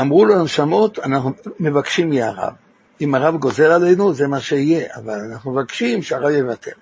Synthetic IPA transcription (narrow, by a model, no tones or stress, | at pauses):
amʁulonʃamo̞t̪anaχnume̞vakʃimjeaʁa̰v | imaʁavɡo̞ze̞lale̞jnuzemaʃeije̞ʔa̰valanaχnumevakʃimʃeaʁavjevatʰeʁ